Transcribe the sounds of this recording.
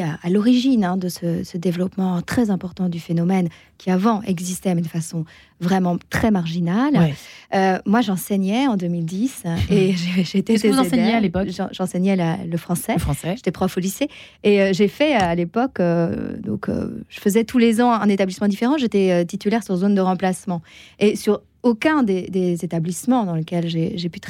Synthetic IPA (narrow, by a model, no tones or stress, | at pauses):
aalɔʁiʒinɛ̃d̪əsəsəd̪evlɔpmɑ̃t̪χɛzɛ̃pɔʁt̪ɑ̃d̪yfenɔmɛn | kʲʰiavɑ̃ʔɛ̰ɡzist̪ɛamynfasɔ̃ | vʁɛmɑ̃t̪χɛmaʁʒinalømwaʒɑ̃sɛɲɛɑ̃d̪ømild̪iseʒeʒeːt̪ed̪ẽdsɲealepɔʒ̰̃ʒɑ̃sɛɲɛlaləfχɑ̃sɛfɑ̃sɛʒet̪ɛpχɔfoliseː | øʒefɛøalepɔkød̪ɔ̰̃kø̰ʒ̥əfəzɛt̪ʰulezɑ̃ɛ̃net̪ablismɑ̃d̪ifeʁɑ̃ʒet̪ɛøt̪it̪ylɛʁsyʁzond̪əʁɑ̃plasmɑ̃esyʁ | okɛ̃d̪ed̪ezet̪ablismɑ̃d̪ɑ̃ləkʲɛlʒeʒepyt̪